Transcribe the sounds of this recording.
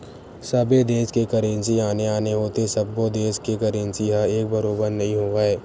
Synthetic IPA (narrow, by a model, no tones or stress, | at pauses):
səbed̪eːʃkekəɾẽnsiaːneaːneɦoːt̪esɐb̚ːod̪eːskekəɾẽnsiɦaeːk̚bɐɾoːbəɾnɐɦĩɦoːʋaːeː